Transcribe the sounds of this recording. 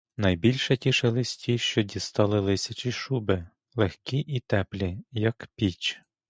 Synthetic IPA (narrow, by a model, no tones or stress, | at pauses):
nɐjbʲilʲʃɐtʲiʃelˠɪsʲtʲiʃt͡ʃɔdʲist̪ɑlˠɪlˠɪsʲɐt͡ʃiʃubɪ | lˠexkʲiʔit̪ɛplʲijɐkpʲit͡ʃ